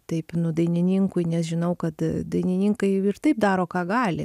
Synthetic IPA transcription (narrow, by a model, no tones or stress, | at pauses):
t̪ɐɪpnʊd̪ɐɪnʲɪnʲiŋkʊɪnʲɛsʒʲɪnɐʊkɐt̪d̪ɐɪnʲɪnʲiŋkɐɪɪrt̪ɐɪp̚d̪ɑːɾoːkɑːɡɑːlʲɪ̰